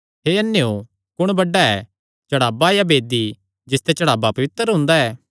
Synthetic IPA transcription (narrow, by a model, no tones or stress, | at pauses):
ɦeːɐnːejo | kʊɽ̃bɐɖaɛː | t͡ʃɐɽaːbajabeːd̪i | d͡ʒɪst̪et͡ʃɐɽaːbapɐʋɪt̪əɾɦʊ̃nd̪aɛː